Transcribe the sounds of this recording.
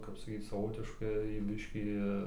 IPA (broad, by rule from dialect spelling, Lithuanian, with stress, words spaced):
kɐp sɐˈkʲiːt͡s sɐˈʋoːtʲɪʃkɐɪ ˈbʲɪʃʲkʲiː